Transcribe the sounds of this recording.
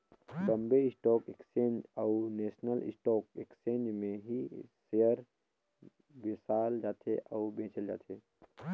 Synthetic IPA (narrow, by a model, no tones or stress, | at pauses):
ləmbeɪsʈɔːkekst͡ʃẽːnd͡ʒəuneːsnəlɪ̰sʈɔːkekt͡ʃẽːnd͡ʒmẽɦisejəɾ | bisaːld͡ʒaːt̪ʰḛʔəubẽːt͡ʃʰəld͡ʒa̰ːt̪ʰe